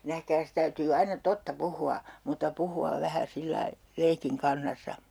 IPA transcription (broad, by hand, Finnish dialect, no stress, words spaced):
næhkæːs tæytyː ɑinɑ totːɑ puhuɑ mutːɑ puhuɑʋ ʋæhæ silːɑi leikiŋ kɑnːɑsːɑ